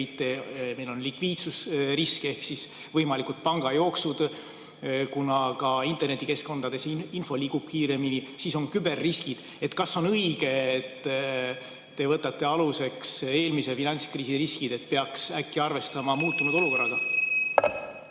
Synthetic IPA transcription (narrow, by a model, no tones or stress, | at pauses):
jt̪ːˑeme̞jlo̞nlikviːt̪susriske̞hksis | vɤjmɑlikud̪̥̚pɑŋɡ̥ɑjo̞ːksud̪̥ | kunɑkɑint̪e̞rne̞t̪ːike̞sko̞nd̪̥ɑd̪e̞sinfo̞liːɡ̥ub̥kiːɾe̞minisiso̞nkybe̞rːiskid̪̥ | e̞t̪kɑsːonɤiɡ̥e̞et̪ː | e̞vɤt̪ːˑɑt̪ːe̞ɑluse̞kse̞ːlmise̞finɑnʲskriːsiriskid̪̥e̞t̪̚ːpe̞ɑksækːiɑrve̞st̪ɑmɑmuːt̪ːunud̪̥o̞luko̞rːɑɡ̥ɑ